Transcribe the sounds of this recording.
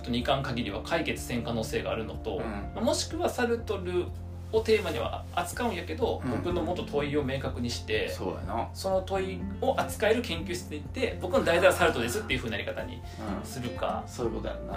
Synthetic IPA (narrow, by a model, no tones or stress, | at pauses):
t̪oɲikãŋkaɡʲiɾʲiβ̞akʰaike̞t͡sɨ̥sẽ̞ŋkano̞ːse̞ːɡaːɾɯ̟no̞t̪o̞mamo̞ɕi̥kɯ̟βasaɾɯ̟t̪o̞ɾɯ̟ | ot̪e̞ːmaɲ̟iβa̰ | at͡sɨ̥kaɯ̟ɰjake̞d̪o̞bokɯ̟no̞mot̪ːo̞t̪ʰo̞io̞me̞ːkakɯ̟ɲ̟iɕi̥t̪e̞so̰a̰nsono̞t̪o̞io̞ʔat͡sɨ̥kae̞ɾɯ̟kẽ̞ŋkʲɨːçi̥t͡sɨd̪eit̪ːe̞bo̞kɯ̟nod̪aizaβasaɾɯ̟t̪oɾ̟d̪esɨt̪ːeiɯ̟ɸɯ̟ɲinaɾʲikat̪aɲ̟ḭ | sɨɾɯ̟ka̰sokot̪o̰a̰a